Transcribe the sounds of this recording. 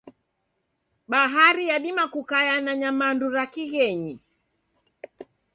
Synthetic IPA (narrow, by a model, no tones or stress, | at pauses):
ɓaɦaɾijaɗimakukajanaɲamanduɾakiɣɛɲi